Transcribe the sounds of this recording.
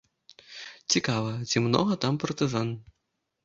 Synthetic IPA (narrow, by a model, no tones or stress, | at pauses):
t͡sʲikavɐt͡sʲimnɔ̰ɣɐt̪ampɐrt̪ɨzan